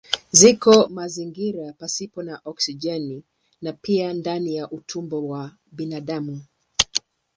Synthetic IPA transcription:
zikɔmaziŋɡiɾapasipɔnaʔɔksid͡ʒɛni | napiandanijaʔutʰumbɔwa | ɓinaɗamu

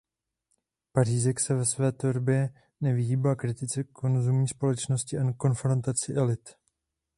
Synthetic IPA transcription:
pariːzɛksɛvɛsvɛːt̪oɾbjɛ | nɛvɪɦiːbaːkɾɪt̪ɪt͡sɛkʰo̞nzumɲiːspo̞lɛt͡ʃno̞scɪʔanko̞nfɾo̞nt̪at͡sɪʔɛlɪt̪

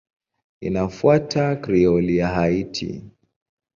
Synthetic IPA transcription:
ḭnafuatʰakɾiɔliaɦaitʰḭ

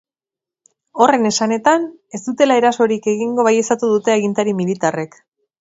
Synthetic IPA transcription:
o̞re̞ne̞sane̞t̪ane̞zd̪ut̪e̞lae̞ɾaso̞ɾike̞ɣiŋɡo̞βaje̞sat̪uð̞ut̪e̞aɣint̪aɾimilit̪are̞k

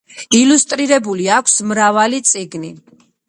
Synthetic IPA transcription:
ilust̪ʼɾiɾɛbuliakʷʰsmɾavalit̪sʼiɡni

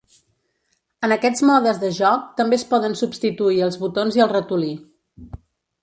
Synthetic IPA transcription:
ənəkɛd͡zmɔðəzðəʒɔk̚t̪əmbeəspɔðənsupst̪it̪uiəlˠzβut̪onziəlˠrət̪uli

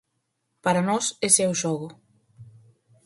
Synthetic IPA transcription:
paɾanɔsɛsɛwʃɔɣʊ

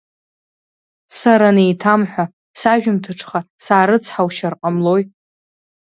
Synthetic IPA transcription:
saɾanejtʰamħʷᶣa | saʒᶣʊmtʰɨʈ͡ʂʰʼχasaːɾɨt͡sʰħawʃarqʼamlo̞j

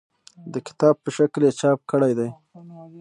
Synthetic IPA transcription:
d̪əkɪ̥t̪ɑb̚pəʃakljet͡ʃɑp̚kəɽajd̪aj

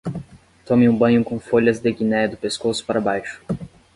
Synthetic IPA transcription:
t̪õmɪ̃ũbɐ̃ɲʊkõfoʎɐzd̪eɡinɛd̪ʊpeskosʊ̥paɾɐbajʃʊ̥

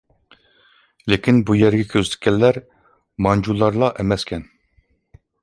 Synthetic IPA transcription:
lekʲʰinbujɛɾɡʲɛkʲʰøzt̪ɪ̥kʲʰːɛlːæɾ | mɑnd͡ʒulˠːɑɾlˠɑʔemɛskʲʰɛn

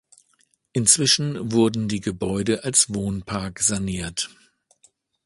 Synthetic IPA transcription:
ʔɪnt͡sv̥ɪʃn̩vʊɐdn̩diːɡəbɔʏdəʔalsv̥oːnpʰaɐkz̥aniːɐt

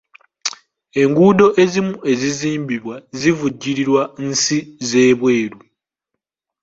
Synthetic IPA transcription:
e̞ŋɡuːdo̞ʔe̞zimue̞ziziːmbiβwazivuɟːiɾiɾwansize̞ːβwe̞ːɾu

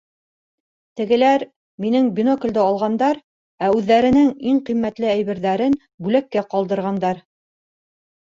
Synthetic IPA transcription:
t̪ɘ̆ɡɘ̆læɾ | minɘŋbʲinokld̪ɘɑlˠʁɑnd̪ɑɾ | æʉðːæɾɘ̆nɘŋiɴqimːæt̪lɘæjβɘ̆ɾðæɾɘn | bʉlækːæqɑlˠd̪ɤ̆ɾʁɑnd̪ɑɾ

